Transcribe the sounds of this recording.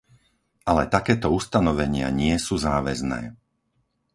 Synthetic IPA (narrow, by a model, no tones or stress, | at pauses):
ʔalɛt̪akɛːt̪ɔust̪anɔʋɛɲɪa̰ɲɪɛsuːzaːʋɛznɛ̰ː